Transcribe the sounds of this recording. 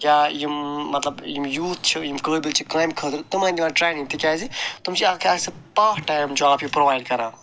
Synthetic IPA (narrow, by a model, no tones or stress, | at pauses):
jaːjimːɐt̪lɐbjimjuːt̪̚ʰt͡ʃʰijimkəːbilt͡ʃʰikaːjmkʰət̪ɾt̪ɐmãːnd̪ʲimaːʈɾeːjnĩŋt̪ʰikʲaːzit̪umt͡ʃʰiakʰaːsɐpaːkʈaːjmd͡ʒoːaːpjipɾoʋaːjɖkɐɾãː